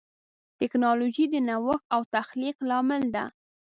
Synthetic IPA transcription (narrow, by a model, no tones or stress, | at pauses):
t̪ɪknɑloʒid̪ənawəxawt̪axliqlɑmɪld̪a̰